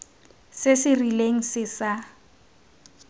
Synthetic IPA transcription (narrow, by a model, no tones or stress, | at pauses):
sɪsɪrileŋ̩sɪsa